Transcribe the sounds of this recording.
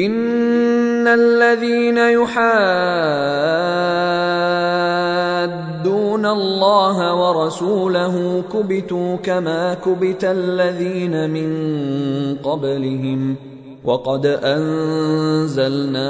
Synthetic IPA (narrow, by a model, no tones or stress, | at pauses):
ʔɪnː | alːaðiːnajʊħaː | d̪ːuːnalːɑːɦawɑɾˤɑsuːlaɦʊmkʊbɪt̪uːkamaːkʊbɪt̪alːaðiːnamɪŋ | qɑblɪɦɪm | wʔɑqɑd̪ʔan | zalnaː